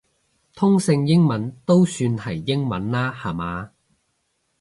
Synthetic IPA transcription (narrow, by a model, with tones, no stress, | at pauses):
t̪ʰʊ˥ŋsɪ˧ŋjɪ˥ŋmɐ˨˥nt̪o˥wsyː˧nhɐ˨˩jːɪ˥ŋmɐ˨˥nlaː˥haː˨˩maː˨˧